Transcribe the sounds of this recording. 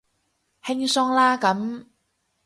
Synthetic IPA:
hɪ˥ŋsɔ˥ŋlaː˥kɐ˨˥m

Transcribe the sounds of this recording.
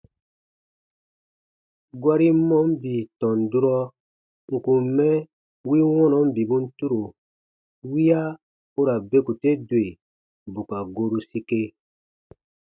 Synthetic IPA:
ɡwa˦ɾi˦mɔ˦m˦bi˨tɔ̃˨n˨du˦ɾɔ˦ | ŋ̩˨kũ˨mmɛ˦ | wi˦wɔ̃˦nɔ̃˨˦m̩˦bi˨bu˦n̩˦tu˦ɾo˨ | wi˦a˦ | u˦ɾa˨be˦ku˨te˦dwe˨ | bu˨ka˨ɡo˦ɾu˦si˦ke˦

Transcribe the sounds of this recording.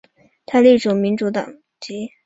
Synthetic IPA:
t̪ʰa˥li˥˩ʈ͡ʂʊ˨˩ŋmi˧˥nʈ͡ʂu˧˥t̪ɑ̰˨˩ŋ | t͡ɕi˧˥

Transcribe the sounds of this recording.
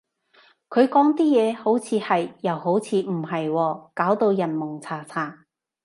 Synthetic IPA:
kʰɵ˨˧ɥkɔː˨˥ŋt̪iː˥jɛː˨˧ho˨˥wt͡sʰiː˨˧hɐ˨jːɐ˨˩who˨˥wt͡sʰiː˨˧m̩˨˩hɐ˨jwɔː˧kaː˨˥wt̪o˧wjɐ˨˩nmʊ˨˩ŋt͡sʰaː˨˩t͡sʰaː˨˩

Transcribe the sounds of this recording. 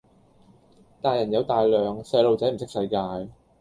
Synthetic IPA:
t̪aː˨jːɐ˨˩njɐ˨˧wt̪aː˨jlœː˨ŋsɐ˧lo˨wt͡sɛː˨˥m̩˨˩sɪ˥k̚sɐ˨˧jkaː˧j

